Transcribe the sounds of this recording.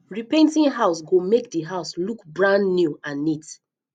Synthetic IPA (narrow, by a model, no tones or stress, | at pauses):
ɹipẽntĩŋɦaʊsɡomek̚diɦaʊslukbɹãnnjuãnːit